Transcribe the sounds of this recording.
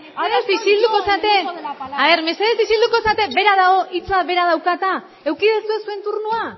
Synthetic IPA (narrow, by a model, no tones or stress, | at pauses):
eseðesisild̪uko̞sat̪e̞aβe̞ɾme̞seðesisild̪uko̞sat̪e̞be̞ɾaðaɣo̞ʔit͡saβe̞ɾað̞awkat̪a | e̞wkiðesue̞sue̞nt̪uɾnua